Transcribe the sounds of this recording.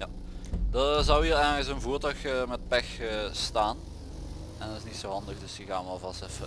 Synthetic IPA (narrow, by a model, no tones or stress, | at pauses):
ja | dɑzɑwɦiːɾɛjɣənləksonvuːrtœɥxmɛt̚pɛxəstaːn | ɛndɔtɪsnitsoːɦɑndəɣdɵsəɣaːnʋɛlˠvɑstɛfə